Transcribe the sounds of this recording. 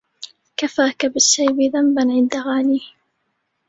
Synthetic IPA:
kafaːkabɪʃːajbɪðambanʕɪnd̪aɣaːniː

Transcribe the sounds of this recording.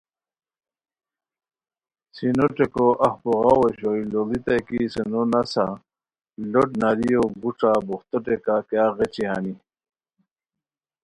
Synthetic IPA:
sinoʈekoʔahpoɣɑweɕoilolit̪ajkisenonasa | loʈnaɾijoɡuʈ͡ʂabuxt̪oʈekakaɣet͡ɕiɦa̰ni

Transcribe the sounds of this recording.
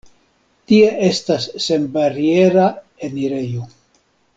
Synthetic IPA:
tie̞ʔe̞stasːe̞mbaɾie̞ɾa | e̞niɾe̞jo

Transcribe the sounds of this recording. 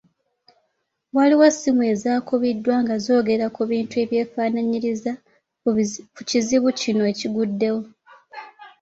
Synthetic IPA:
waliwasimue̞ːzaːkuβidːwaŋɡazo̞ːɡe̞ɾakuβiːntue̞βje̞ːfaːnaɲiɾiza | kuciziβucinoeciɡudːe̞wo̞

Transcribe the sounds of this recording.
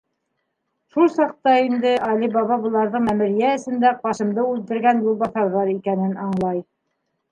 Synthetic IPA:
ʃulˠsɑq̚t̪ɑind̪ɘʔɑlʲibɑβɑbɤ̆lˠɑɾðɤɴmæmɘ̆ɾjæɘ̆sɘ̆nd̪æqbɑʃɤ̆md̪ɤʉlt̪ɘ̆ɾɡænjulˠbɑθɑɾðɑɾikænɘnɑɴlˠɑj

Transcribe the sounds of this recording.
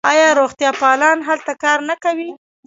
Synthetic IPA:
ɑjɑɾoɣt̪jɑpɑlɑnɦalt̪akɑɾnakawi

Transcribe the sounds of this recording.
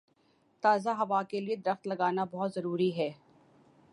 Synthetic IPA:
t̪aːzaɦɐʋaːkelied̪ɐɾəxt̪lɐɡaːnabɔɦʊt̪zɐɾuːɾiɦɛː

